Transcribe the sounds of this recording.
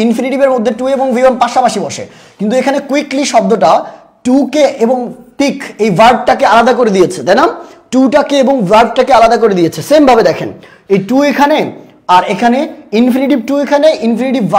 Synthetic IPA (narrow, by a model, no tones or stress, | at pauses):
infiniʈibeɾmod̪ʱːeʈueboŋvʱibompaʃapaʃibɔʃḛ | kint̪uekʰanekwikliʃɔb̚d̪oʈa | ʈukeeboŋt̪ikejvaɾɖ̚ʈakealad̪akoɾed̪ijet͡ɕʰed̪anamʈuʈakeeboŋvaɾɖ̚ʈakealad̪akoɾed̪ijet͡ɕʰesembʱabed̪ɛkʰen | ejʈuekʰane | aɾekʰaneinfiniʈib̚ʈuekʰaneʔinfiniʈibva